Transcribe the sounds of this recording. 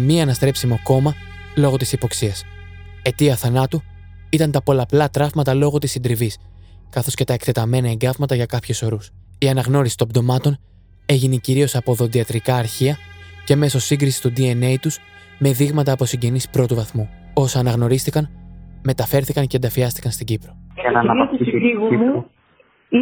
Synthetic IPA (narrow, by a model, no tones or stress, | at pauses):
miɐnɐst̪ɾe̞psimoko̞mɐ | lo̞ɣo̞t̪isipo̞ksiɐs | e̞t̪iɐθɐnɐt̪u | it̪ɐnt̪ɐpo̞lɐplɐt̪ɾɐvmɐt̪ɐlo̞ɣot̪isind̪ɾivis | kɐθo̞sce̞t̪ɐe̞kt̪e̞t̪ɐme̞nɐeŋɡɐvmɐt̪ɐʝɐkɐpçuso̞ɾus | iɐnɐɣno̞ɾisi̥t̪o̞d̪o̞mɐt̪o̞n | e̞ʝineciɾio̞sɐpo̞ðo̞ðiɐt̪ɾikɐːɾçiɐce̞me̞so̞siŋɡɾisi̥t̪ud̪ie̞ne̞jt̪uz̥ | me̞ðiɣmɐt̪ɐːpo̞siɲɟe̞nispɾo̞t̪uvɐθmu | osɐːnɐɣno̞ɾist̪ikɐnme̞t̪ɐfe̞ɾθikɐnce̞nd̪ɐfiɐst̪i̥kɐnst̪iɟipɾo̞ʝɐnɐnɐɐpisi